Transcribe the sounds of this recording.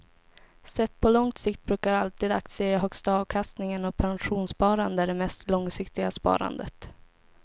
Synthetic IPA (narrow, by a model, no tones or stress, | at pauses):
sɛt̪ːpʰɔlɔŋt̪sɪkt̪̚bɾʉ̟ːkaɾalt̪iːd̪ak̚t̪sɪɦœkst̪aɑːvkʰast̪nɪŋənɔpʰanɧuːnspɑːɾand̪əd̪ɛmɛst̪lɔŋsɪkt̪ɪɡaspɑ̰ːɾa̰nd̪ət̪